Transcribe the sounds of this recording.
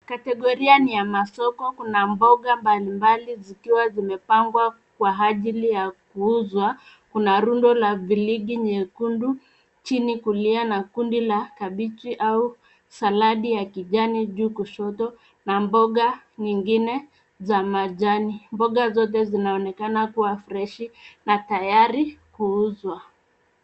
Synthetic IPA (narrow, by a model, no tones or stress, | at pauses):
katɛɠɔɾianijamasɔkɔkunambɔɠambalimbalizikiwazimɛpaŋɡwa | kwaaʄilijakuuzwa | kunaɾundɔlaviliɡiɲɛkundu | t͡ʃinikulianakundilakaɓit͡ʃiʔau | salaɗijakiʄaniʄuːkuʃɔtɔ | nambɔɠa | ɲiŋɡinɛ | zamaʄanimbɔɠazɔt̬ɛzinaɔnɛkanakuwafɾɛʃinatajaɾikuuzwa